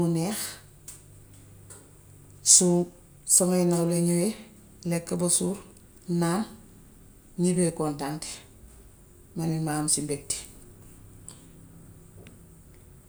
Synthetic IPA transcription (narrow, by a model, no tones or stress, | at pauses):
uneːx | su | soŋainaleɲuwe | lekːabosuɾ | nan | ɲibekontaŋte̥ | manimaːmsimbek̚ti̥